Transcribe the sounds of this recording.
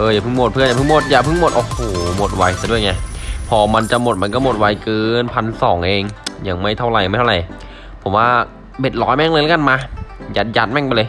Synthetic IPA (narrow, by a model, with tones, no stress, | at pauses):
ʔɤː˧jaː˨˩pʰɯ˥˩mo˨˩t̪̚pʰɯ˥˩ənjaː˨˩ɯ˥˩mo˧˩t̪̚jaː˨˩pʰɯ˥˩ŋmo˨˩t̪ʔoː˧˩hoː˨˩mo˨˩t̪̚wa˧jsa˨˩du˥˩əjŋa˧˩pʰɔː˧ma˧nt͡ɕa˧˨mo˨˩t̪̚ma˧nkɔː˥˩mo˨˩t̪̚wa˧jkɤː˧npʰa˧nsɔː˩˦ŋʔeː˧ŋja˨˧˩ŋma˥˩jt̪ʰa˧˥˩wɾa˨˩ja˨ma˥˩tʰa˥˧˩a˨˩j | pʰo˩˦mwaː˥˩ | be˨˩t̪̚lɔː˨˦jmɛ˥˩ŋlɤ˧jla˦˥ka˧˨nmaː˧jaː˨˩t̪̚ja˧˦˥t̪̚mɛ˥˩ŋpa˧jlɤː˧j